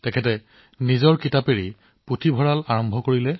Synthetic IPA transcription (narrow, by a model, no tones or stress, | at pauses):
tɛkʰɛtɛ | nizɔɹkitapeɹi | putʰibʱɔɹalaɹɔmbʱɔkoɹilɛ